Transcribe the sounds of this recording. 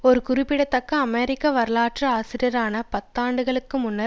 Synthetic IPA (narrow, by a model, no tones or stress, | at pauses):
ɔɾɯkʊɾɪpːɪɽɐt̪ːɐkːɐːmeːɾɪkːaʋɐɾɯlaːʈrɐaːsɪɾɪjɐɾaːnɐpɐt̪ːaːɳɖɯɣɐɭɯkːɯmʊnːɐ